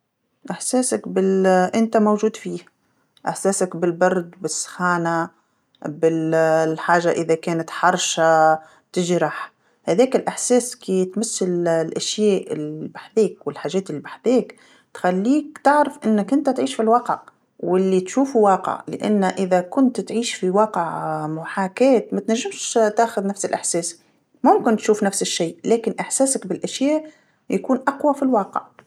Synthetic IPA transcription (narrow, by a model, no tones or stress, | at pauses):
ʔɪħsæːsakbɪlʔɪnt̪amowʒuːd̪fiːh | ʔɪħsɛːsakbɪlbɑɾˤd̪bɪsːxaːna | bɪħaːʒaʔɪðakɛːnat̪ħɑɾˤʃa | t̪ɪʒɾɑħ | hæðɛːkɪlʔɪħsɛːskit̪masːɪllʔaʃjæːʔɪlibaħðɛːkwɪlħaːʒɛːt̪ɪlːibaħðɛːk | t̪xælːiːkt̪ɪʕɾɪfʔɪnːɪkʔɪnt̪æt̪ʕiːʃfilwɑːqə̰ʕ | wɪlːit̪ʃuːfuwɑːqə̰ʕlɪ̰ʔa̰nːʔɪðækʊnt̪t̪ʕiːʃfiwɑːqəʕmʊħaːkɛːt̪mæt̪næʒːɪmʃt̪aːxʊðnafsɪlʔɪħsɛːs | mʊmkɪnt̪ʃuːfnæfsɪʃːiːlæːkɪnʔɪħsɛːsakbɪlʔaʃjæːʔ | jakuːnʔaqwafilwɑːqə̰ʕ